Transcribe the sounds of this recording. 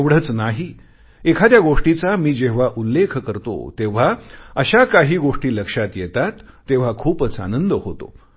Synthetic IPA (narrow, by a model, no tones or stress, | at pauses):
ʋɽ̤ət͡snaɦi | ekʰad̪jaɡoʂʈit͡samiːd͡ʑeʋ̤aʔulːekʰkəɾt̪o̰t̪eʋ̤aəɕakaɦiːɡoʂʈiːləkʂat̪jet̪at̪ːeʋ̤akʰuːpət͡sa̰nənd̪əhot̪o̰